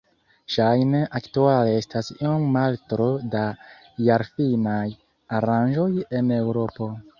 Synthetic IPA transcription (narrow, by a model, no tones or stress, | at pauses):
ʃajneʔaktualeestasio̞mːaltɾoda | jaɾfinaj | aɾanʒo̞je̞ne̞wɾo̞po̞